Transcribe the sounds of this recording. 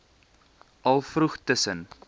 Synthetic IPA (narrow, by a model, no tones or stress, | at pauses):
ʔɐlˠfruχtəsən